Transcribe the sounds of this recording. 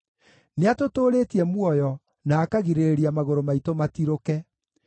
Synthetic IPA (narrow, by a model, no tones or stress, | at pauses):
neatotoːɾeːtiɛmwɔjɔ | naːkaɣiɾeɾeɾiamaɣoɾomaitomatiɾokɛ